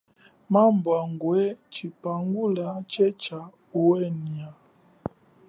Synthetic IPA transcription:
mambwaŋɡwɛt͡ʃipaŋɡulat͡ʃɛt͡ʃa | uwɛnia

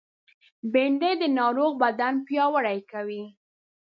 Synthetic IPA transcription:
beɳɖed̪ənɑɾoɣbad̪anpjɑwəɽajkawi

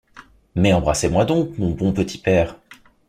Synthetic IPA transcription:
mɛɑ̃bʁasemwad̪ɔ̃kmɔ̃bɔ̃pət̪ʰi̥pɛːʁ

